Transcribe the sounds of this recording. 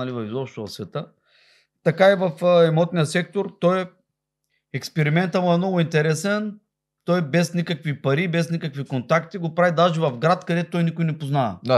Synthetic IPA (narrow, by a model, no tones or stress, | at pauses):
ɐlivɐvizɔpʃt̪ʊvɐsvɛt̪ə | t̪ɐkaivɐfɛmɔt̪nʲijəsɛk̚t̪oɾt̪ɔj | ɛkspɛɾimɛnt̪əmuɛmnɔɡʊint̪ɛɾɛsɛn | t̪ɔjbɛsnʲikəkvipɐɾibɛsnikəkvikont̪akt̪iɡopɾavid̪aʒivɐfɡɾat̪kɐd̪ɛt̪ot̪ɔjnikʊjnɛpoznavɐ̰